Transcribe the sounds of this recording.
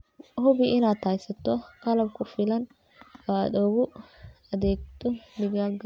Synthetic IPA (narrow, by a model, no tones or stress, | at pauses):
hʊβɪʔɪnaːd̪haːjsɐt̪ʰɔqɑlɐb̚kʰʊfɪlɐn | wad̪ɔɣʊɐðɛːɡ̚t̪ʰɔnɪɣaːlɡɐ